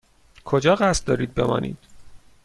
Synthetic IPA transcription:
kʰo̞d͡ʒɒːɢæst̪̚d̪ɒːɾiːd̪̚be̞mɒ̰ːnʔḭːd̪̥

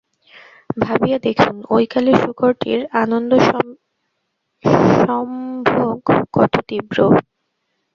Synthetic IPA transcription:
bʱabijad̪ekʰunojkaleʃuɡoɾʈḭɾanond̪o | ʃɔmbʱoɡkɔt̪ʰot̪ibɾo

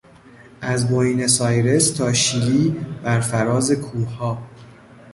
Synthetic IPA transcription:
ʔæzboinesɒːjɾe̞st̪ʰɒːʃiːliːbæɾfæɾɒːze̞kʰuːhɒː

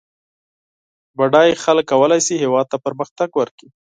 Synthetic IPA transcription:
baɖɑjexaləkːawəlajsiɦewɑd̪̚t̪apəɾməxt̪aɡwəɾki

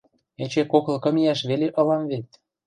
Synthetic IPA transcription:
et͡ɕekoklkɤ̆mijɑʃβeleʔɤ̆lɑmβet̪̚ʲ

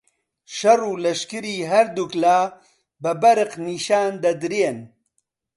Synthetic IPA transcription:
ʃɐruːlɐʃkɨɾiːɦɐɾd̪uklaː | bɐbɐɾɨqniːʃaːnd̪ɐd̪ɾeːn

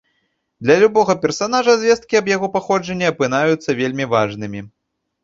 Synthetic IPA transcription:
d̪lʲɐlʲubɔɣɐpʲɛrsanaʐɐzʲvʲɛst̪̚kʲiɐbjaɣɔpaxɔd͡ʐɐnʲːɛɐpɨn̪ajut̪sːɐvʲelʲmʲivaʐnɨmʲi

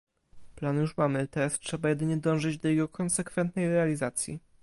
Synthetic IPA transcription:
planjuʂmamɘt̪ɛɾastʂɛbajɛd̪ɘɲɛd̪ɔ̃w̃ʐɘd͡ʑd̪ɔjɛɡɔkɔnsɛkfɛnt̪̚nɛjɾɛalʲizat̪sʲjḭ

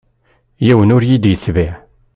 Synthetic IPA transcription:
jæwənʊɾjid̪jəθviʕ

